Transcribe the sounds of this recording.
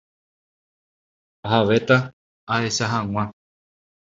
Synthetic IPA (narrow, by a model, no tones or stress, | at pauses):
oɦaʋe̞t̪a | aeʃaɦãŋ̃ʷã